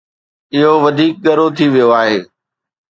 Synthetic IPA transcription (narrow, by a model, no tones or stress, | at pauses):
ɪɦoʋɐd̪ʱiːk̚ɠɐɾot̪ʰiʋijoaːɦeː